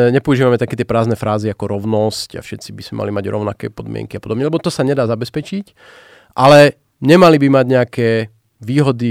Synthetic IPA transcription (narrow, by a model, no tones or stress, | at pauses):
ɲɛpɔuʒiːʋamɛt̪akɛːt̪ɪɛpɾaːznɛfɾaːziakɔɾɔʊnɔsca̰fʃɛt̪t͡sibiz̥mɛma̰limaɟɾɔ̰ʊnakɛ̰ːpɔd̪mɪɛ̰ŋkiapɔd̪ɔbɲɛlɛbɔt̪ɔsaɲɛd̪aːzabɛspɛt͡ʃic | ʔalɛ | ɲɛmalibimaɟɲɛakɛː | ʋiːɦɔd̪i